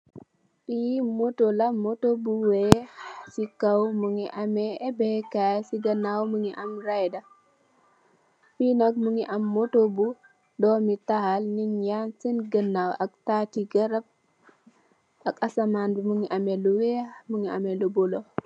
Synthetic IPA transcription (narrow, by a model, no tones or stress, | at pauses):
pimotolamotobuwesikawmuŋiʔameːbɛkasiɡənawmuŋiʔɐmɾajda | pinok̚muŋiʔamːotobu | dɔmitahalniɲjansinɡənːawʔak̚tatiɡɐɾab̚ | akasamanbimuŋiʔameluwemuŋia̰melubolo